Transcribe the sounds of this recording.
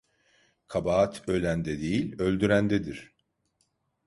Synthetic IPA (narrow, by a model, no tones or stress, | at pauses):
kʰabaːt̪ʰølʲænd̪ɛd̪ejilʲø̞lʲd̪yɾænd̪ɛd̪iɾ̥